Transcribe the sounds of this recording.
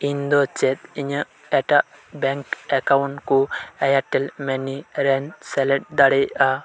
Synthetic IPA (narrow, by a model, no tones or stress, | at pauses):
ind̪ɔt͡ʃɛt̪̚iɲə | ɛʈaʔ | bɛŋkɛkawnʈkuɛjaʈːɛlmɛniɾɛnsɛlɛʈ̚d̪aɽɛjʔa